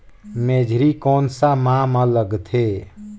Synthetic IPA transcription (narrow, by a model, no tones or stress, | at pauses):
meːd͡ʒʱɾikɔːnsamãmãləɡt̪ʰeː